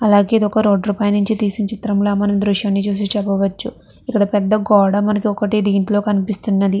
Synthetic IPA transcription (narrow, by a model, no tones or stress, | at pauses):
ɐlaːɡe̞ːid̪iɔkɐɾo̞ːɖɾuːpaːjɐnuɲt͡ʃit̪iːsint͡ʃit̪ɾɐmloːmɐnɐmd̪ɾuʃjaːnːit͡ʃuːs̬it͡ʃɛbɐʋɐt͡ʃːu | ikːɐɽɐpɛd̪ːɐɡɔːɽɐmɐnɐkiɔkɐʈid̪iːɳʈlo̞ːkɐnipist̪unːɐd̪i